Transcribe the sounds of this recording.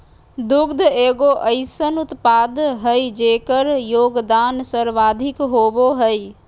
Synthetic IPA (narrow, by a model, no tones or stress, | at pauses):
d̪uɡd̪ʱeɡoʔəɪsənut̪pad̪ɦəjd͡ʒekəɾjoɡd̪ansəɾʋad̪ʱikɦoboɦəj